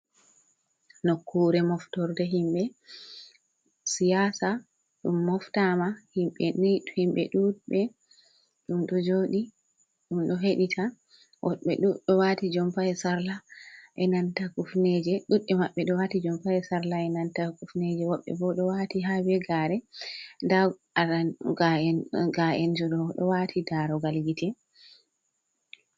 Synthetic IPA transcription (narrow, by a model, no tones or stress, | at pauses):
nokʰːuɾɛmɔftɔɾdɛɦimɓɛ | sijaːsa | ɗumːɔftamahimɓɛhimɓɛ̰ɗuɓɛ | ɗumɗɔd͡ʒoːɗi | ɗumɗɔɦeɗitʰa | wʔɔɓɛ̰ɗuɗɔwatid͡ʒɔmfaɛsaɾlaʔɛnantakufnɛd͡ʒɛɗuɗːɛmaɓːɛɗɔwatid͡ʒɔmfajɛsaɾlaɛnantakufned͡ʒɛwɔɓːɛ̰bɔɗɔwatiɦawɛɡaɾɛnda | aaaɡaʔɛnd͡ʒɔɗɔɗɔ̰watʰidaɾɔɡalɡitʰɛ